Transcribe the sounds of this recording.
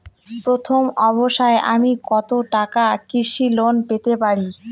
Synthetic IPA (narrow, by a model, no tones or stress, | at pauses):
pɾot̪ʰomɔβoʃaeʔa̰mikɔt̪oʈakakiʃilonpet̪epaɾi